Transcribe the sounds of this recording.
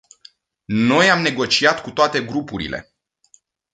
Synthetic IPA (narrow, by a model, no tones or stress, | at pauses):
no̞jamne̞ɡo̞t͡ʃiat̪kut̪oat̪e̞ɡɾupuɾḭle̞̰